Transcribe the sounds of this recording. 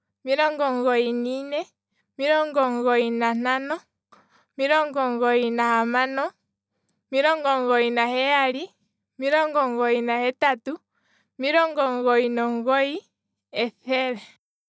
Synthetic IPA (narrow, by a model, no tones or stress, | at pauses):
miɾɔŋɡɔŋɡɔininɛ | miɾɔŋɡɔŋɡɔinan̥anɔ | miɾɔŋɡɔŋɡɔinahamanɔ | miɾɔŋɡɔŋɡɔinahɛaɾi | miɾɔŋɡɔŋɡɔinahɛtatu | miɾɔŋɡɔŋɡɔinɔŋɡɔi | ɛθɛɾɛ